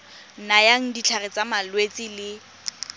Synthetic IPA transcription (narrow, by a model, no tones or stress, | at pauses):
najaŋ̩dit͡ɬʰarɪt͡samalwet͡sʼɪlɪ